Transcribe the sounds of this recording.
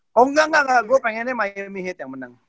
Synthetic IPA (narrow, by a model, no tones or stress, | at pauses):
oŋɡaŋaŋaɡopaŋenẽmaemiɦẽt̪ãmənaŋa